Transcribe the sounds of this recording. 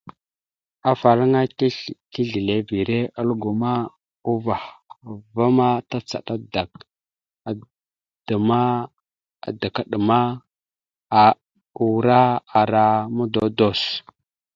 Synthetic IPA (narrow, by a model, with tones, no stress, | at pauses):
a˨fa˨la˦ŋa˦ki˦ɮi˨le˨vi˨ɾe˦ʔə˦lɡu˨ma˦ | u˦va˨hva˦ma˦ta˦t͡sa̰˨ɗa˦da˨k̚ | d̥ə˨ma˦ | a˨da˨ka˨ɗə˨ma˦ | a˨ | u˨ɾa˦a˨ɾa˦mu˦do˦do˦˨s